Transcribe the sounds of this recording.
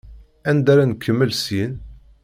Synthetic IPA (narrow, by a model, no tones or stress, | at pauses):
ænd̪aɾankːəmːəlsin